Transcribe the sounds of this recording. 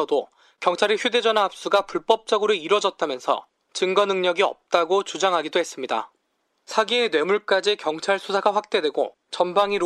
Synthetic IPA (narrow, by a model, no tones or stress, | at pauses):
ʌdo | kjʌŋt͡ɕʰaɾiçjude̞d͡ʑʌnaːp̚s͈uɡapuɭp͈ʌp̚t͡ɕ͈ʌɡɯɾoiɾwʌd͡ʑʌt̚t͈amjʌnsʰʌ̰ | t͡ɕɯŋɡʌnɯŋɲʌɡiʌ̰p̚t͈aɡot͡ɕud͡ʑaŋɦaɡidoɦe̞s͈ɯmɲida̰ | sʰaɡienwe̞muɭk͈ad͡ʑikjʌŋt͡ɕʰaɭsʰusʰaɡaɸwak̚t͈e̞dwe̞ɡo | t͡ɕʌnbaŋiɾ